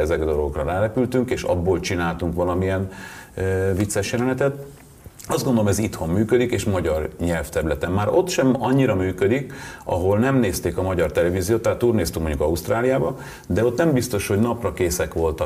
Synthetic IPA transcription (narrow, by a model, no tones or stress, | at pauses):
ɛzɛkd̪o̞loɡokrɒɾaːnɛpylt̪yŋkeːʃɒ̰bːoːlt͡ʃinaːlt̪uŋkʋɒlɒmiɛn | vit̪sːɛʃjɛlɛnɛt̪ɛt̪ | ɒzdɡo̞nd̪olomɛzit̪ho̞mːyːkød̪ikeːʃmɒɟɒrɲɛlft̪ɛɾylɛt̪ɛmːaːɾʔo̞t̪ʃɛmɒɲːiɾɒmyːkød̪ikɒ̰ɦo̞lnɛmneːst̪eːkɒmɒɟɒrt̪ɛlɛviːzijoːt̪ːaɦːt̪ːuːrneːst̪yŋkmo̞ɲɟukɒust̪raːlijaːbɒ | d̪ɛo̞t̪nɛmbist̪o̞ʃho̞ɟnɒprɒkeːsɛkʋo̞lt̪ɒ